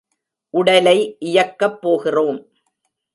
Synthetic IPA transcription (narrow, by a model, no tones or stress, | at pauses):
ʔʊɽɐlɐɪʔɪjɐkːɐpːoːɣɪroːm